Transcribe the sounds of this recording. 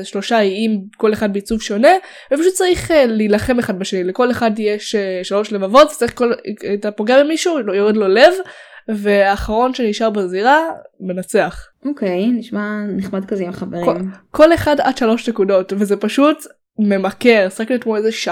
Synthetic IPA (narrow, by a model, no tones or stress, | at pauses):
ʃlo̞ʃaiimko̞leχad̚beit͡suvʃo̞ne̞ | vepaʃut̚t͡saʁiχlilaχe̞meχadbaʃe̞nileko̞leχadjeʃeʃalo̞ʃlevavo̞tze̥t͡saɐʁiχkoltapoɡeabemiʃuojo̞ʁedlo̞le̞vve̞aːχaʁo̞nʃe̞niʃaʁbeziʁame̞nat͡se̞aχ | okejniʃmaniχmadkazeimχaveʁkomko̞le̞χada̰dʃalo̞ʃnekudo̞tvezepaʃut | me̞make̞ʁsʁakliotmoezeʃa